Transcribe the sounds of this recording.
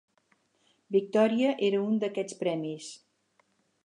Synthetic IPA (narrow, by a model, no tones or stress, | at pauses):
bik̚t̪ɔɾiəʔeɾəund̪əkɛt͡spɾɛmis